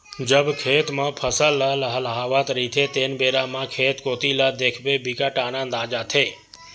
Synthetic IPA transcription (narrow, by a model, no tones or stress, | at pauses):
d͡ʒəbkʰet̪mãpʰəsələɦəlɦəlɦaʋat̪ɾit̪ʰet̪enbeɾamãkʰet̪kot̪ilad̪ekʰbebikaʈanãnd̪ad͡ʒat̪ʰe